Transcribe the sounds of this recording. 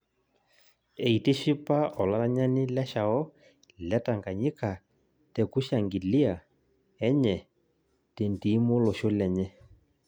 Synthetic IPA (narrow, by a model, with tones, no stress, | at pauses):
e˨i˨te˦ʃi˦pa˦ɔ˨la˦ɾa˦ɲa˦nɪ˦lɛ˦ʃa˨ɔ˦ | lɛ˦ta˨ŋɡa˨ɲi˦ka˨ | tɛ˨ku˦ʃa˨ŋɡi˨li˦a˨ | ɛ˦ɲɛ˨ | te˨n˨ti˨˦mo˦lo˨ʃo˦lɛ˨ɲɛ˦